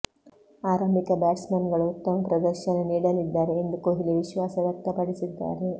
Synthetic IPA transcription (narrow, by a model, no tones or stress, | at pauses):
aːɾɐmbʱikɐbaːʈsmenɡɐɭuut̪ːɐmɐpɾɐd̪ɐɾʃɐnɐniːɽɐlid̪ːaːɾeːnd̪ukoɦiliʋiʃʋaːsɐʋjɐk̚t̪ɐpɐɽisid̪ːa̰ːɾe